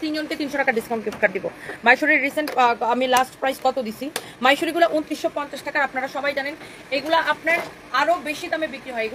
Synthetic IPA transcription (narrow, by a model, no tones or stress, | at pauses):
t̪ind͡ʑonʈet̪inʃoʈakaɾɖiskaw̃ʈkeʈkaɾd̪ibo̰majʃoɾiɾːiseɳʈamilasʈpɾajskɔt̪od̪it͡ɕʰi | majʃoɾiɡulaʔunt̪ɾiʃːopɔnt͡ɕaʃʈʰakaɾapnaɾaʃɔbajd͡ʑanen | eɡulaʔapnaɾ | aɾobeʃid̪amebikɾiɦɔeeɡu